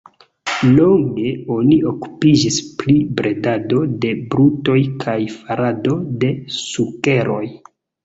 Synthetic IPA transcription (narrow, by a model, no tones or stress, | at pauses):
lo̞ŋɡe̞o̞niʔoku̥pid͡ʒisplibɾʔe̞dado̞de̞bɾuto̞jkʰajfaɾado̞de̞suke̞ɾʔo̞j